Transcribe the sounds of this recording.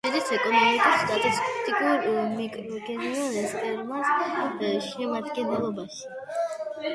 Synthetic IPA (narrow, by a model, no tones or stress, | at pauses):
ɛd̪ɛsʰɛkʼɔnɔmikʼist̪ʼat̪ʼɔst̪ʼikʼuɾmɛkʼɾɡɛnɛɾazɛsʼɛɾmasɛʃɛmaɾd̪ɡɛnɛlˠɔbas